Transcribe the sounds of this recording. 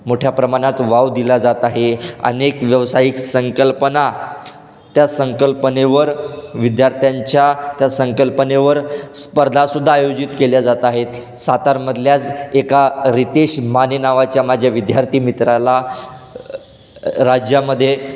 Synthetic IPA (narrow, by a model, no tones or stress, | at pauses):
moʈʰjapɾəmaɽ̃at̪ʋaʋd̪ilad͡zat̪aɦeə̰nekʋjəʋsaiksəŋkəlpəna | t̪jasəŋkəlpəneʋəɾʋid̪jaɾt̪ʰjaɲt͡ɕjat̪jasəŋkəlpəneʋəɾspəɾd̪ʱasud̪ʱːaːjod͡ʑit̪keljad͡zat̪aɦet̪ | sat̪aɾməd̪ʱljad͡zekaɾit̪eɕmanenaʋat͡ɕjamad͡ʑʱjaʋid̪jaɾt̪ʰiːmit̪ɾala | ɾad͡ʑjaməd̪ʱːje